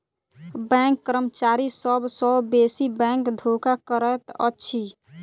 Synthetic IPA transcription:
bɛ̃ŋkːɾəmt͡ʃaɾisəbsɔbbesibɛ̃ŋkd̪ʱokakəɾət̪ə̰tːʃʰi

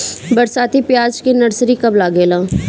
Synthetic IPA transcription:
bɐɾsaːt̪ipjaːd͡ʒkinɐɾsɾikɐblaːɡeːlãː

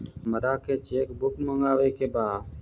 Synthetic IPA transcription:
məɾaːkeːt͡ʃeːkbʊkməŋɡaːʋeːkeːbaː

